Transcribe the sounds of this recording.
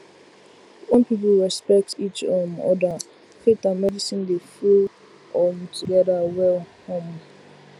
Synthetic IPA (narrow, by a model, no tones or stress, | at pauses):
õnpiplɹɛspɛk̚tit͡ʃɔmɔ̰da | fetamɛdisĩndeful | ɔmtʰuɡɛdawɛlhõm